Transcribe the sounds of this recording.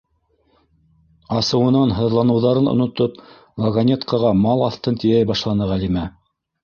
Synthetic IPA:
ɑsɤ̆wɤ̆nɑnɦɤ̆ðlˠɑnɤ̆wðɑɾɤnŏ̰nŏt̪op | lˠɐɡɐnʲet̪kɑʁɑmɑlˠɑθt̪ɤnt̪ijæjbɑʃlˠɑnɤʁælimæ

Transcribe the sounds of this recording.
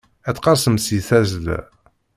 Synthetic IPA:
æt͡sːqɑɾˤsəmsiθæzəl̰

